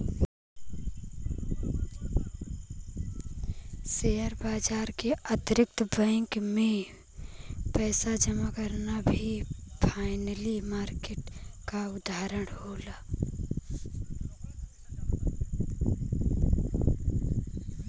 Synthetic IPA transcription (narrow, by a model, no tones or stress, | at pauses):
seːaːɾbaːd͡ʒaːɾkeət̪ɾɪk̚t̪bə̃ŋkmẽ | pɛːsad͡ʒəmakəɾnabʱipʰaːɪnəlimaːɾkeːʈkaʊd̪ʱaːɾəɽ̃hoːlaː